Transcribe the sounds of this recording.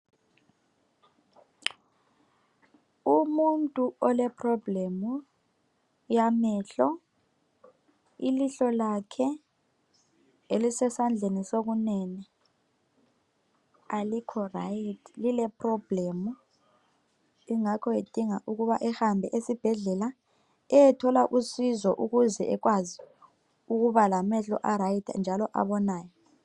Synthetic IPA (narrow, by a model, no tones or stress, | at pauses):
umuntʼuɔlɛpʰʼrɔblɛmu | jamɛɬɔ | iliɬɔlakʰɛ | elisɛsand͡ɮʱenisoɣ̬unɛnɛ | alikʰɔraitʰlilɛprɔb̥lɛmu | iŋakʰɔed̥ʱiŋaʔuɣuβaʔɛhambʱɛʔesib̥ʱɛɮɛla | ɛjɛtʰɔlaʔusizɔʔuɣuzɛʔɛɣwazi | uɣuβalamɛɬɔ̰ʔaɾajitʰa̰nd͡ʒʱalɔʔa̰βɔnaːjɔ